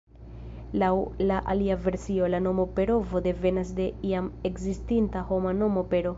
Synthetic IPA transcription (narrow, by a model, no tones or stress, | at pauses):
lawlaʔaliave̞ɾsio̞lano̞mope̞ɾo̞vo̞de̞ve̞nasde̞iamekzistintaho̞mano̞mo̞pe̞ɾo̞